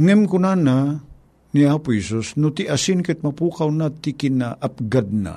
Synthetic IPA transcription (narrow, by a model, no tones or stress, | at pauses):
ŋɛmkʊnana | niaːpʊhɛsusnʊt̪iʔasɪnkɛt̪̚mapuːkawnat̪ikɪnaʔap̚ɡad̪̚na̰